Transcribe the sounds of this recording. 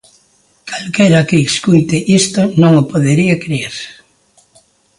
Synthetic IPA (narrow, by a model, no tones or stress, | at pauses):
kalkɛɾɐkɪːskujt̪eʔist̪onõŋopoðeɾiɐkɾieɾ